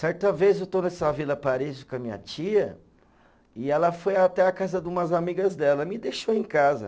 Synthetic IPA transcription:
sɛɾt̪ɐvezewt̪onɛsavilɐpaɾizukɐmĩɲɐ̰t͡ʃiɐ | ɪɛlɐfojat̪ɛakazɐd̪ũmɐzamiɡɐzd̪ɛlɐmɪd̪eʃoẽkazɐ̰

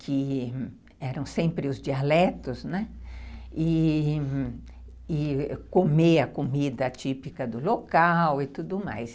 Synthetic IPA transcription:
kʰɪ | ɛɾɐ̃w̃sẽmpɾɪʊzd͡ʒialɛt̪ʊznɛ | ɪ | ɪkomeɐkomid̪ɐt͡ʃipikɐd̪ʊlokawɪt̪ud̪ʊma̰js

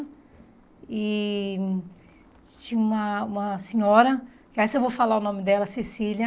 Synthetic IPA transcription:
ɪ | t͡ʃĩɲũmɐũmɐsẽɲɔɾɐ | kɪaisewvowfalaʊnõmɪd̪ɛlɐsesilʲɐ

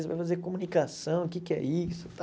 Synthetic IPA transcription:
sva̰jfazeɾkomunikasɐ̃w̃ʊkɪkɪɛ̰isʊ̥t̪a

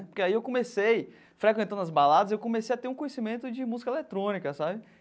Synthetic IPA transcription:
poɾkeaiewkõmesej | fɾekwẽt̪ɐ̃d̪ɐzbalad̪ɐzewkõmesejɐt̪eɾũkõjesimẽnt̪ʊd͡ʒɪmuzikɐelet̪ɾõnikɐsabɪ

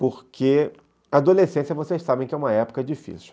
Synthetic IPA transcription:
poɾkʰe | aːd̪olesẽsiɐvosejʃsabẽkɪɛũmɐɛpo̥kɐd͡ʒifḭsiw

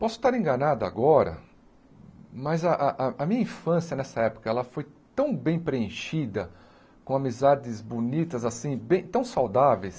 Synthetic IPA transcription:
pɔsʊ̥t̪aɾẽɡɐnad̪ʊa̰ɡɔɾɐ̰ | mɐzɐʔaʔɐʔɐmĩɲɐĩfɐ̃sjɐnɛsɐɛpʊ̥kɐɛlɐfojt̪ɐ̃w̃bẽj̃pɾeẽʃid̪ɐ | kõamizad͡ʒɪzbonit̪ɐzasĩbẽj̃t̪ɐ̃w̃sawd̪avejs

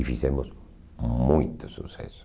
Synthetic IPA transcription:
ifisemos | mujt̪osusḛs

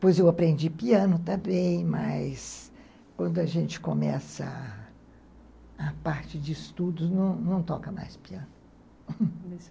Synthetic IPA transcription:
pojzewapɾẽnd͡ʒipiɐ̃nʊt̪abẽj̃mɐjs | kwɐ̃nd̪ʊɐʒẽnt͡ʃɪ̥komɛsɐ | apaɾt͡ʃɪd͡ʒɪist̪ud̪ʊznɐ̃w̃nɐ̃w̃t̪ɔ̰kɐma̰jspiɐ̃nʊ

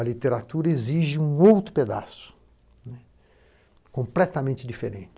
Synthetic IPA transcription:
ɐlit̪eɾat̪uɾɐeziʒɪũowt̪ɾʊped̪a̰sʊ̥ | nɛ | kõmplɛt̪ɐmẽnt͡ʃɪd͡ʒifḛɾẽnt͡ʃɪ

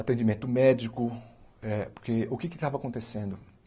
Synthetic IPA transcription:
at̪ẽd͡ʒimẽnt̪ʊmɛd͡ʒikʊɛpoɾkeʊkɪkɪt̪avɐakõnt̪esẽnd̪ʊ

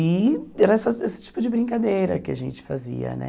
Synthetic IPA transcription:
iɛɾɐɛsɐesɪ̥t͡ʃi̥pʊd͡ʒɪbɾĩŋkad̪ejɾɐ̰kɪaʒẽnt͡ʃɪ̥fazḭɐ̰nɛ̰

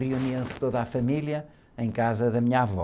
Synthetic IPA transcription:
ʁiuniɐ̃st̪oðafɐmilˠjɐ | ẽj̃kazɐðɐmiɲavɔ̰

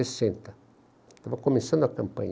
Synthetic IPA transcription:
esẽnt̪ɐ | t̪avɐkomẽsɐ̃nd̪ʊakɐ̃mpɐ̰̃ɲ

